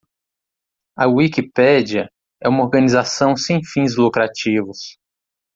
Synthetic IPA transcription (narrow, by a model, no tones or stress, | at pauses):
ɐwikipɛd͡ʒiɐ | ɛũmɐoɾɡɐ̃nizasɐ̃w̃sẽj̃fĩzlukɾat͡ʃivʊs